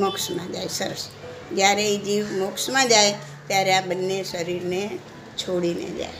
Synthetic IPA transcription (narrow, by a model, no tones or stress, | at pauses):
məksmãd͡ʒajsəɾəs | d͡ʒjaɾeid͡ʒiʋmoksmãd͡ʒaj | t̪jaɾeabənːeʃəɾiɾne | t͡ʃʰoɽinḛd͡ʒa̰e